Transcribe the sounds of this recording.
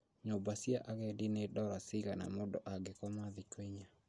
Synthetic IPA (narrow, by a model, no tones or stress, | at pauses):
ɲobasiaʔaɣɛdinedɔɾasiɣana̰modɔʔaɡekɔmaðikweɲa